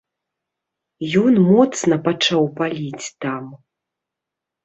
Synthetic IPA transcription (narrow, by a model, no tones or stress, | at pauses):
jɔnmɔt̪snɐpat͡ʂawpalʲit͡sʲt̪am